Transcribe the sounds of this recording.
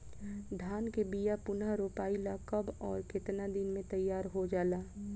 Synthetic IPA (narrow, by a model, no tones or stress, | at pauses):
d̪ʱaːnkebijapʊnaɾoːpaːɪlakɐbɔːɾkɪt̪nad̪ɪnmẽt̪ɐjːaːɾɦod͡ʒaːlaː